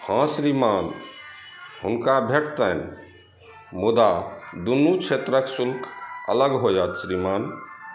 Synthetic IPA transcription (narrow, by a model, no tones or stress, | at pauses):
hãsɾiman | hunkabʱeʈʰt̪ən | mud̪ad̪unːut͡ʃʰet̪ɾəksulkʰə̰ləɡɦojət̪sɾiman